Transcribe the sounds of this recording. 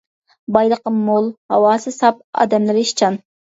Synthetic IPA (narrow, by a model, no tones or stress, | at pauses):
bɑjlˠəqəmːolˠhɑ̰wɑːsɨsɑp̚ɑ̰ːd̪ɛmlɪɾiʃt͡ʃʰɑn